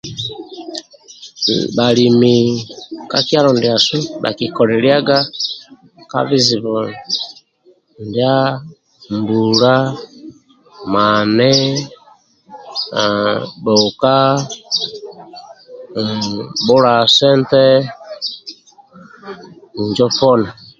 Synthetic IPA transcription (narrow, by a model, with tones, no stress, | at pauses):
bali˨mi | kakja˦ɾɔ˨ndja˨su˦ba̰˨kikɔɾɛlja˦ɡa˦ | ka̰vizi˨βɔl | ndja˦ | mbuɾa˦ | manɛ˦ | bɔ˨ka˦ | bu˦ɾa˨sɛ˦ntɛ˦˨ | d͡ʒɔ˦fɔ˦na˨